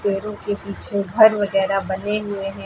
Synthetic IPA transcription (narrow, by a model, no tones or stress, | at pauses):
eːɾõkepiːt͡ʃʰeɡʱɐɾʋɐɣɛːɾabɐneɦʊeɦɛ̃ː